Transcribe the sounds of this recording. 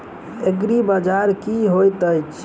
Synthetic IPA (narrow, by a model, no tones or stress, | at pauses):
eɡɾibad͡ʒaɾkiɦojt̪əjt͡ʃ